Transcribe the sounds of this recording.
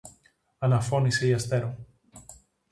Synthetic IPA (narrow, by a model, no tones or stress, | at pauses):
ɐnɐfo̞niseiɐst̪e̞ɾo